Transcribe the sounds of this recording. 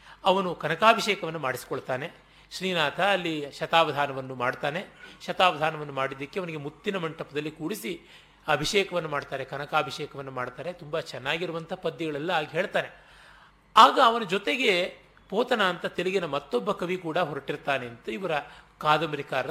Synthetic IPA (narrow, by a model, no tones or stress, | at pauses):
ɐʋɐnukɐnɐkaːbʱiʃeːkɐʋɐnːumaːɽisi̥koɭt̪aːne̞ | ʃɾiːnaːt̪ʰɐːlːiʃɐt̪aːʋɐd̪ʱaːnɐʋɐnːumaːɖt̪aːne̞ʃɐt̪aːʋɐd̪ʱaːnɐʋɐnːumaːɽid̪ːɐkːeɐʋɐniɡe̞mut̪ːinɐmɐɳʈɐpɐd̪ɐlːikuːɽisi | ɐbʱiʃeːkɐʋɐnːumaːɽt̪aːɾe̞kɐnɐkaːbʱiʃeːkɐʋɐnːumaːɽt̪aːɾe̞t̪umbɐt͡ʃɛnːaːɡiɾuʋɐnt̪ʰɐpɐd̪ːiɡɐɭɛlːɐaːɡiɦe̞ːɭt̪aːne̞ | aːɡɐːʋɐnɐd͡ʒɔt̪e̞ɡe̞ | poːt̪ɐnaːnt̪ɐt̪eliɡinɐmɐt̪ːɔbːɐkɐʋikuːɽɐɦɔɾɐʈiɾt̪aːne̞ɐnt̪uiʋɐɾɐkaːd̪ɐmɾikaːɾɐ